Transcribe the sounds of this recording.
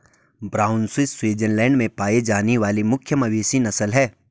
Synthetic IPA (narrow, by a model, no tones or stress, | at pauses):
bɾaːʊnswɪsswiːd͡ʒənlɛ̃ːɳɖmẽpaːed͡ʒaːneʋaːlimʊkʰjəmɐʋeːʃinɐsəlɦɛː